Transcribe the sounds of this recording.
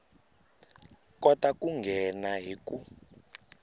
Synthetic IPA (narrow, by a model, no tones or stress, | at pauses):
kɔtakuŋɡʱɛnaɦiku